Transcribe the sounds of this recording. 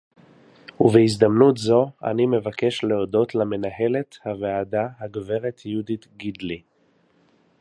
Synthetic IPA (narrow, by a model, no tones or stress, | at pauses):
uvehizd̪amnutzo̞a̰nime̞vake̞ʃleodo̞tlame̞naɦe̞le̞thaveadahaɡve̞ʁet̪judit̪ɡidli